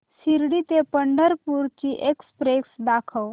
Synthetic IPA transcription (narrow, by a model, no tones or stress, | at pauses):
siɾɽit̪epəɳɖəɾpuɾt͡ʃiʔekspɾeksd̪akʰəw